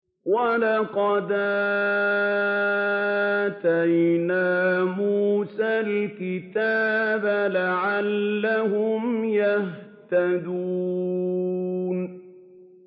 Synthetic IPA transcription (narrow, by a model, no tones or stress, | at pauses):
walɑqɑd̪a | t̪ajnaːmuːsalkɪt̪aːbalaʕalːahʊmjaht̪ad̪uː | n